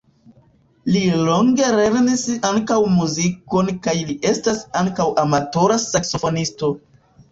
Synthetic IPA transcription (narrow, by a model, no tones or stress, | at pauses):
lilo̞ŋɡe̞ɾe̞ɾnisaŋkawmuziko̞nkajliʔe̞stasaŋkawʔamato̞ɾasakso̞fo̞nisto̞